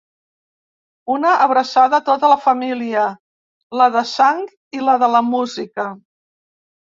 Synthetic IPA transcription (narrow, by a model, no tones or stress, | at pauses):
unəʔːβɾəsaðət̪ot̪ələfəmiliə | ləðəsaŋ | iləðələmuzikə